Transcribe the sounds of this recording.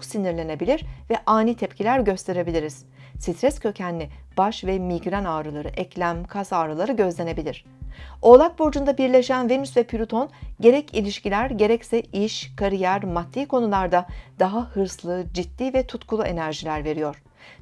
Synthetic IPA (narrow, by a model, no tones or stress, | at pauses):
siniɾlʲe̞ne̞bilʲiɾvɛʔaːnit̪ʰɛp̚cʰilʲæɾɟø̞st̪ʰe̞ɾe̞bilʲiɾiz̥ | sit̪ʰɾɛscʰø̞cʰænlːʲib̥aʃvɛmiɡɾanaːɾɯlˠaɾɯʔɛclʲæmkʰasaːɾɯlˠaɾɯɟø̞zlʲe̞ne̞bilʲiɾ̥ | o̞lˠak̚boɾd͡ʒund̪abiɾlʲe̞ʃænve̞nysvɛpʰyɾʲut̪ʰo̞nɟe̞ɾɛcʰilʲiʃcilʲæɾɟe̞ɾɛcsɛiʃkʰaɾijæɾmat̪ʰːiːkʰo̞nulˠaɾd̪ad̪̥aɦahɯɾslˠɯd͡ʒit̪ːiːvɛt̪ʰut̪kʰulˠuʔe̞næɾʒilʲæɾve̞ɾijo̞ɾ̝̥